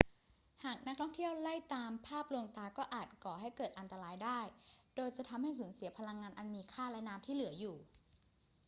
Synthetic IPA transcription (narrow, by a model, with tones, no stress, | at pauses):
haː˨˩k̚na˦˥k̚t̪ʰɔ˥˩ŋt̪ʰi˥˩əwla˥˩jt̪aː˧mpʰaː˥˩p̚lu˧əŋt̪aː˧kɔː˥˩ʔaː˨˩t̪̚kɔː˨˩ɦa˥˩jkɤː˨˩t̪ʔa˧nt̪a˧ɾaː˧˥jdaː˥˩jdoː˧jt͡ɕa˨˩t̪ʰa˧mha˥˩jsuː˩˦nsi˨˩˦ɐpʰa˧la˧ŋːaː˧nʔa˧nmiː˧kʰaː˥˩lɛ˦˥naː˦˥mt̪ʰiː˥˩lɯ˩˦ɐjuː˨˩